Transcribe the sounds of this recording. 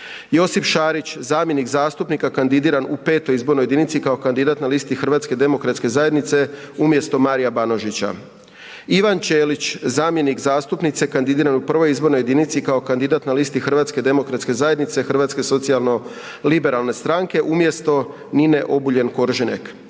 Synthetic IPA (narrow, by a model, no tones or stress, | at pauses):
jo̞sifʃaːɾit͡ɕzaːmjenikzaːst̪upnikakand̪id̪iːɾanupe̞ːt̪ojizbo̞ɾnojeinit̪sikao̞kand̪id̪aːt̪nalist̪ixr̩ɾʋaːt̪sked̪e̞mo̞kɾat̪ske̞zaje̞d̪nit̪se̞ | umje̞st̪o̞maːɾijabano̞ʒit͡ɕa̰ | iʋant͡ɕeːlit͡ɕzaːmje̞nikzaːst̪upnit̪se̞kand̪id̪iːɾanupr̩ʋo̞jizbo̞ɾnoje̞d̪init̪sikao̞kand̪id̪aːt̪nalist̪ixr̩ʋaːt̪sked̪e̞mo̞kɾat̪ske̞zaje̞d̪nit̪se̞xr̩ʋaːt̪ske̞so̞t̪sijalˠno̞ | libe̞ɾalˠne̞st̪ɾaŋke̞ʔumje̞st̪o̞ | nine̞ʔo̞buʎe̞nko̞ɾʒenḛk